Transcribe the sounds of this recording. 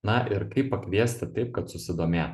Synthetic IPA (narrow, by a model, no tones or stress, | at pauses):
nɐʔɪɾkɐɪpːɐkʋʲiɛsʲt̪ʲɪt̪ɐɪp̚kɐt̪sʊsʲɪd̪oːmʲeːt̪